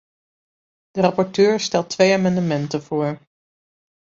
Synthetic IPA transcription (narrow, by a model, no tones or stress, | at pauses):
d̥ərɑpɔɹtøːɹstɛlˠtʰʋejaːmɑndəmɛntəv̥ʊːɹ